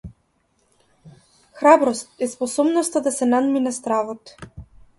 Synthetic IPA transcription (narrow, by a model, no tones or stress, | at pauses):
xɾabɾɔst̪ɛspɔsɔbnɔst̪ad̪asɛnad̪minast̪ɾavɔt̪